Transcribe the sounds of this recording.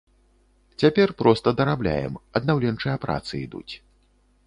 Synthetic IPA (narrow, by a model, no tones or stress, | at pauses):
t͡sʲapʲɛrpɾɔst̪ɐd̪ɐɾablʲa̰jɛ̰mɐd̪nawlʲɛnt͡ʂɨjɐpɾa̰t̪sɨḭd̪ṵt͡sʲ